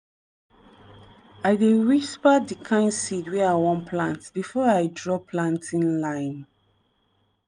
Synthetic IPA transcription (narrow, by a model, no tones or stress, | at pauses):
aɪdeɹispadikʰãɪ̃nsidwɛawɔ̃npʰlãntb̥ifɔajdɹɔpʰlãntĩnlãɪ̃n